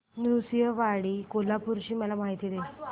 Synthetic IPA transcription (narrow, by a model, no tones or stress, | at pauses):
njusijəʋaɽiːkolapuɾt͡ɕiːməlamaɦit̪iːd̪e